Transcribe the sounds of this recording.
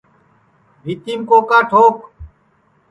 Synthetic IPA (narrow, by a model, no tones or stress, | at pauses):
ɾiːt̪iːmkoːkaːʈʰoːk